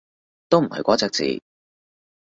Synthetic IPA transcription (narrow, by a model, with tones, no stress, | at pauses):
t̪o˥wm̩˨˩hɐ̰˨jkʷɔː˨˥t͡sɛː˧k̚t͡sḭː˨˩